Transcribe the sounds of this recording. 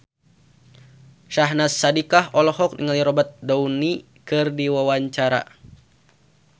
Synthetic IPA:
ʃaɦnasːadikahɔlɔɦɔk̚nḭŋaliɾɔbat̪̚dauni | kɨrdiwawaɲt͡ʃaɾa̰

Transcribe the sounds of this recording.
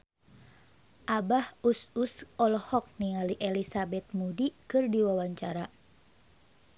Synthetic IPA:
ʔabahususɔlɔhɔk̚niŋaliʔɛlisabɛt̪̚mudikɨrdiwawaɲt͡ʃaɾa

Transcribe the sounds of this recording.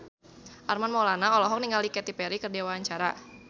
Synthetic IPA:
ʔarmanmɔlanaɔlɔɦɔk̚niŋɡalikɛt̪ipɛɾikərdiawaaɲt͡ʃaɾa̰

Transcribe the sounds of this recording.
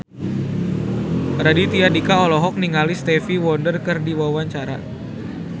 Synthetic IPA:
ɾadit̪iadikaɔlɔɦɔk̚niŋalist̪ɛfiwɔndərkɨrdiwawaɲt͡ʃaɾa̰

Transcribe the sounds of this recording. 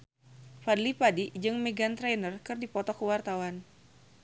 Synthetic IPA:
padlipadid͡ʒɨŋmeɡant̪ɾɛnərkɨrdipɔt̪ɔkəwart̪awan

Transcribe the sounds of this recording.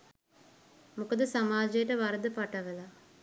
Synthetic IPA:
mukəd̪əsamaːd͡ʒejəʈəʋaɾəd̪əpaʈəʋəla

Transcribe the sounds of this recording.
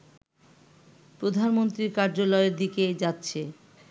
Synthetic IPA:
pɾod̪ʱanmont̪ɾiɾkaɾd͡ʑolɔeɾd̪iked͡ʑatːɕʰe

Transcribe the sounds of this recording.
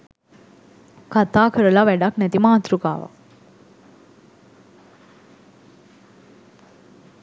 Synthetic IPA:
kat̪aːkʰəɾəlaʋæɖaknɛt̪imaːt̪ɾuka̰ːʋa̰

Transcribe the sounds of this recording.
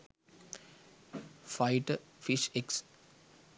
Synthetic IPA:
faɪʈəfiʃeks

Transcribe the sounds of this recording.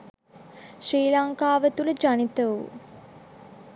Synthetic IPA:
ʃriːlaŋkaːʋət̪uləd͡ʒanit̪əṵ

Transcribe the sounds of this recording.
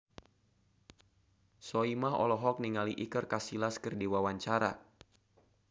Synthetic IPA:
sɔimaɦɔ̰lɔɦɔk̚niŋaliʔikərkasilaskərdiwawaɲt͡ʃaɾa̰

